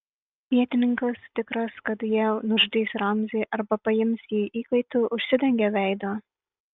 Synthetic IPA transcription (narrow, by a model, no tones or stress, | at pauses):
pʲiɛt̪ʲɪnʲɪŋkɐst̪ʲɪkɾɐskɐt̪jiɛnʊʒʲd̪ʲiːsʲɾɐmʲzʲiːʔɐɾbɐpɐjɪmʲsjiːʔiːkɐɪt̪uːʔʊʃʲsʲɪd̪ʲɛŋʲɡʲɛʋʲɛɪd̪oː